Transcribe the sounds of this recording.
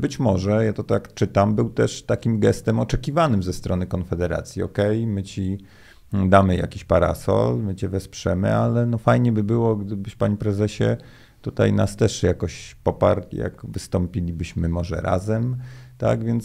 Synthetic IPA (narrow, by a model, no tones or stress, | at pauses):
bɘt͡ɕmɔʐɛjat̪ɔt̪akt͡ʂɘt̪ambɘwt̪ɛʂt̪akʲimɡɛst̪ɛmɔt͡ʂɛkʲivanɘmzɛst̪ɾɔnɘkɔnfɛd̪ɛɾa̰t̪sʲjiɔkɛjmɘt͡ɕi | d̪amɘja̰kʲiɕpaɾa̰sɔ̰lmɘt͡ɕɛvɛspʂɛmɘ̰alɛnɔfajɲɛbɘbɘwɔɡd̪ɘbɘɕpaɲipɾɛzɛɕɛ̰ | t̪ut̪a̰jnast̪ɛʂjakɔɕpɔpaɾʲija̰ɡvɘst̪ɔmpʲilʲibɘɕmɘmɔʐɛ̰ɾʔa̰zɛmt̪a̰ɡvʲjɛnt̪s